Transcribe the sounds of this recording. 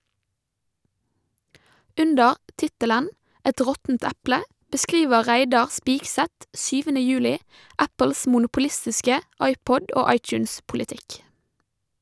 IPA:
ˈʉndəɾ ˈtɪtələn ˈɛt ˈʁɔtn̩t ˈæplə bəˈskiːʋə ˈʁæɪdɑʁ ˈspɪɡsɛt ˈsyːʋənə ˈjʉːlɪ ˈæpl̩s mʊnʊpʊˈlɪstɪskə ˈɑɪˌpɔd ˈʔoː ˈɑɪˌtjʉːns pʊlɪˈtɪk

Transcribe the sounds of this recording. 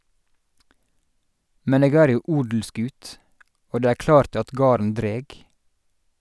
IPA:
ˈmɛn ˈeːɡ ˈæːɾ ˈjuː ˈʔuːdl̩ˌskʉːt ˈoː ˈdeː ˈæːɹ ˈklɑːɾt ˈɑt ˈɡɑːɾən ˈdɾeːɡ

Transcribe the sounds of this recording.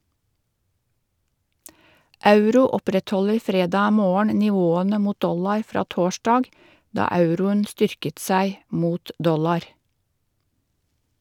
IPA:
ˈɑʉɾuː ˈɔpɾɛtˌhɔləɾ ˈfɾeːdɑː ˈmoːəɳ nɪˈʋoːənə ˈmuːt ˈdɔlɑɾ ˈfɾɑː ˈtoːʃdɑːɡ ˈdɑː ˈɑʉɾʊən ˈstʏɾkət ˈsæɪ ˈmuːt ˈdɔlɑɾ

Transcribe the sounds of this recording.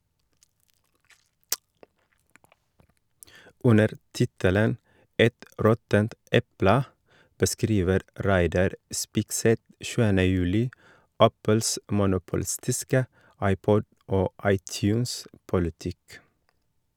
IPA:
ˈʉnəɾ ˈtɪtələn ˈɛt ˈɾɔtənt ˈɛplə bəˈskɾiːʋəɾ ˈɾæɪdɑɾ ˈspɪɡsɛt ˈʃʉːənə ˈjʉːlɪ ˈæpəls mʊnʊpʊˈlɪstɪskə ˈɑɪˌpɔd ˈoː ˈɑɪˌtjʉːns pʊlɪˈtɪk

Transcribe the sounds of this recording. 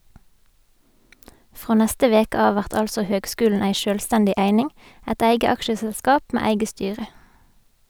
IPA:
ˈfʁoː ˈnɛstə ˈʋeːkə ˈɑːʋ ˈʋæʁt ˈɑlsɔ ˈhøːɡˌskʉːln̩ ˈeɪ ˈʃøːlˌstɛndɪ ˈʔeɪnɪŋ ˈɛt ˈeɪɡə ˈɑkʃəsɛlˌskɑːp ˈmeː ˈeɪɡə ˈstyːʁə

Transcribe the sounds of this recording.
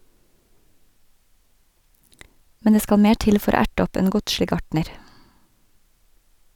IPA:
ˈmɛn ˈdeː ˈskɑl ˈmeː ˈʈɪl ˈfɔɾ ˈoː ˈæʈ ˈɔp ˈeːn ˈɡʊdʃlɪ ˈɡɑʈɳəɾ

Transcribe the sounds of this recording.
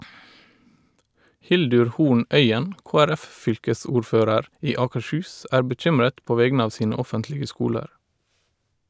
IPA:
ˈhɪldʉɾ ˈhuːɳ ˈʔœʏən ˌkoːæˈɾæfˌfʏlkəˌsuːɹˌføːɾəɾ ˈiː ˌɑːkəʃˈhʉːs ˈʔæːɹ bəˈc͡çʏmɹət ˈpoː ˈʋɛɡnə ˈɑːʋ ˈsiːnə ˈɔfəntlɪɡə ˈskuːləɾ

